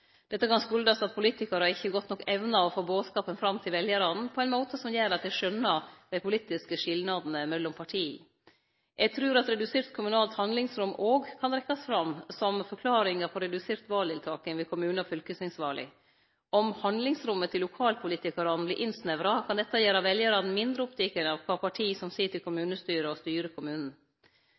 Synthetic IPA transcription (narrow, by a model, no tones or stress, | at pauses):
d̪̥ɛt̪ːəkʰɑnskʉld̪ɑsɑt̪̚pʰʊliːt̪ɪkɑɾəɑɾɪçːəɡɔt̪nɔkːɛʋnɑɔfoːboːd̪skɑːpənfɾɑmt̪ʰɪlʋɛljəɾɑd̪n̩pʰɔɛɪnmoːt̪əsɔmjæːɾɑt̪̚d̪æɪʂœnːɑd̪̥æɪpʊliːt̪ɪskəʂɪlnɑd̪n̩əmɛlːɔmpʰɑʈʰiː | ʔɛɡt̪ʰɾʉːɾɑt̪ɾɛd̪ʉseːɾt̪kʰʊmʉnɑːlt̪hɑnd̪lɪŋsɾʉmːʔoːɡkʰɑnɾɛkːɑsfɾɑmsɔmfɔɾkʰlɑːɾɪŋəpʰɔɾɛd̪ʉseːɾt̪ʋɑːld̪ɪlt̪ʰɑːkɪŋʋɪkʰʊmʉːnfʏlkəsnɪŋsʋɑːɭɪ̰ | ɔmhɑnd̪lɪŋsɾʊmːət̪ʰɪlːʊkʰɑːlpʰʊliːt̪ɪkɑɾɑnblɪʔɪnsnɛʋɾɑkʰɑnd̪ɛt̪ːɑjeːɾɑʋɛljəɾɑd̪n̩mɪnd̪ɾəɔpt̪ʰɛkənɑʋkʰʋɑːpʰɑʈʰiːsɔmsiːʈʰɪlkʰʊmʉːnəst̪yːɾəɔst̪yːɾəkʰʊmʉːnn̩